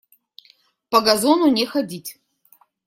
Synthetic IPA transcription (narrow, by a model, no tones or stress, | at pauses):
pɐɡɐzonʊnʲɛxɐdʲitʲ